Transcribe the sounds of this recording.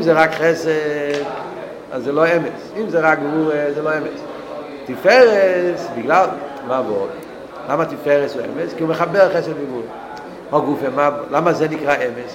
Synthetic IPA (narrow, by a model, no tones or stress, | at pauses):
imzeʁakχɛsed | a̰szelˠoɛmesimzeʁak̚ɡvuʁezelˠoɛmɛs | tifɛʁesbɪɡlalˠ | mavɔl | lamatifɛʁɛsuɛ̰mɛskiumeχabɛʁχɛsɛdɡɪvuʁe | hɔɡufemalamazenikʁaʔɛmes